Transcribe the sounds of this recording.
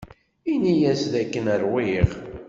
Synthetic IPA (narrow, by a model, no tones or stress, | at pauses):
inijæsðækːənəɾwiʁ